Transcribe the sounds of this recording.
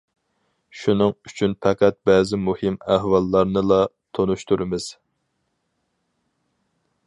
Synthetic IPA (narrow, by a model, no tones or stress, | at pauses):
ʃunɨŋyt͡ʃʰynpʰɛqʰæt̪̚bɛːzɪmuhɪmæhwɑlˠːɑɾnɨlˠɑ | t̪ʰonuʃt̪uɾɪmɪz̥